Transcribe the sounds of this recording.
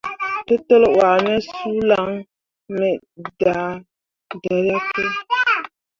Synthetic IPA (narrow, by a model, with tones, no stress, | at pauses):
tɨ˦tɨ˦lwa˨nɛ˦suː˦la˦ŋ | mɛ˨ | da˨ | da˨ɾa˦tɨ˦